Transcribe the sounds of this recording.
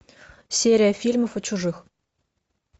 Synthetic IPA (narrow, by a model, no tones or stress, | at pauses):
sʲeɾʲijafʲilʲmofŏt͡ɕuʐɨx